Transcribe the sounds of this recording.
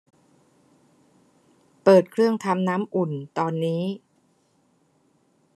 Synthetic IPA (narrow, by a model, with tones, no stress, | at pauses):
pɤː˨˩t̪̚kʰɾɯ˥˩əŋt̪ʰa˧mnaː˦˥mʔu˨˩nt̪ɔː˧nːiː˦˥